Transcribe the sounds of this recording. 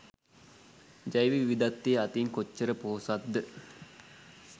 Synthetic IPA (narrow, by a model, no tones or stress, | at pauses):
d͡ʒajʋiʋiʋid̪at̪ːiəat̪iŋkot͡ʃːəɾəpoːsat̪̚d̪ə